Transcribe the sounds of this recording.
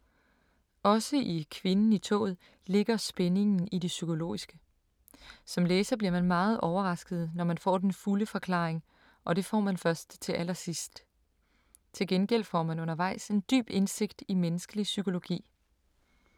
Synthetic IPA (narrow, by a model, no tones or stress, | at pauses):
ɒ̽səʔikʰʋe̝nn̩it͡sʰɔ̰ːð̩ˠ | le̝ɡ̥ɐsb̥ene̝ŋn̩id̥e̝sykʰo̝lo̝̰ːisɡ̥ə | sɒ̽mleːsɐb̥liɐmænmɑ̈ːð̞̩ˠʔɒʊɐʁɑ̈sɡ̥ð̩ˠnɒmænfɒ̰ːd̥enfuləfɒ̽kʰlɑ̰̈ːeŋ | ʔɒ̽d̥e̝fɒ̰ːmænfɶɐsd̥t͡sʰe̝ʔæl̰ɐsisd̥ | t͡sʰe̝lɡ̥enɡ̥el̰fɒ̰ːmænɔ̽nɐʋɑ̈ɪ̰se̝nd̥y̰ːb̥e̝nse̝ɡ̥̚d̥imenəsɡ̥əlisykʰo̝lo̝ɡ̥ḭː